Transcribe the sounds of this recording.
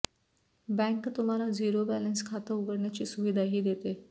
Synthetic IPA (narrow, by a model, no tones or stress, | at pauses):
bɛ̃ŋkt̪um̤alad͡ziɾobælənskʰat̪əuɡəɽɳjat͡ɕiːsuʋid̪ʱaɦiːd̪et̪e